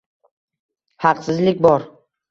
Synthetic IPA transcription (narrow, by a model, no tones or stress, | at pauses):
hɑqsɪzlɪkʲbɒɾ